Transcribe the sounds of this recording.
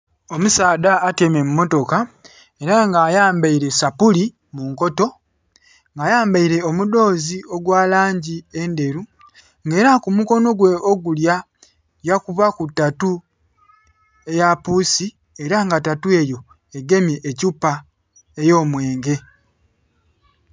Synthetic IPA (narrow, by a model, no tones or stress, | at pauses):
o̞musaːdaːte̞me̞mumːo̞to̞ka | e̞ɾaŋɡaːjaːmbaiɾe̞sapuli | muŋko̞to̞ | ŋɡaːjaːmbaiɾe̞omudo̞ːzio̞ɡwaːlaːɲɟie̞nde̞ɾu | ŋɡe̞ːɾakumuko̞no̞ɡwe̞oɡulja | jakuβakutːatu | e̞japuːsi | e̞ɾaŋɡatatue̞jo̞ | eɡe̞miʔecupːa | ejo̞ːmwe̞ːŋɡe̞